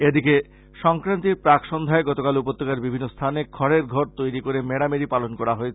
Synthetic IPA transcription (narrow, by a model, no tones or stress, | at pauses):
ed̪ike | ʃɔŋkɾant̪iɾpɾakʃond̪ʱaeɡɔt̪okalupot̪ːokaɾbibʱinːost̪ʰanekʰɔɾeɾɡʱɔɾt̪ojɾikoɾemeɽameɾipalonkɔɾaɦoet͡ɕʰe